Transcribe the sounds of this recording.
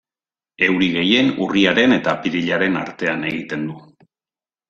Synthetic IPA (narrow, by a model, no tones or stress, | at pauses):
e̞wɾiɣ̞e̞je̞nṵriaɾe̞ne̞t̪apiɾiʎaɾe̞na̰ɾt̪e̞ane̞ɣ̞it̪e̞nd̪u